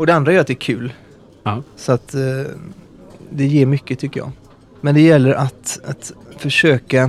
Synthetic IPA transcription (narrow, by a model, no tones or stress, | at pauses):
ɔd̪ɛand̪ɾajœːɾat̪d̪ɛːɾkʰʉ̟ːl | sɔat̪ | d̪ɛjeːɾmʏkːət̪ʰʏkːəɾjɑ̰ː | mɛnd̪ɛjɛlːəɾʔat̪at̪fœʂøːka